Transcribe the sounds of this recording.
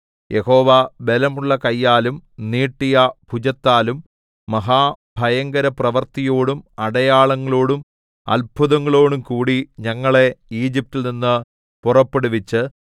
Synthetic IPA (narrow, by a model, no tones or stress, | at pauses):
jʔe̞ho̞ːʋabe̞lɐmuɭːɐkɐjːaːlumniːʈːijɐbʱud͡ʑɐt̪ːaːlumː | ɐɦaː | bʱɐjɐŋɡɐɾɐprɐʋɐrt̪ijo̞ːɽumɐɽɐjaːɭɐŋːɐɭo̞ːɽum | ɐ̰lbʱuðɐŋːɐɭo̞ːɽumkuːɽiɲɐŋːɐɭe̞iːd͡ʑip̚tːilninːɨ | purɐpːe̞ɽuʋit͡ɕːɨ